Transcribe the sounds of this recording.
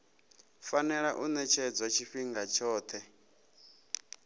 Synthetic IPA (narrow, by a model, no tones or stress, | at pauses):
fanɛɺaʔunɛt͡ʃʰɛd͡zwat͡ʃʰiɸiŋɡat͡ʃʰɔːt̪ʰɛ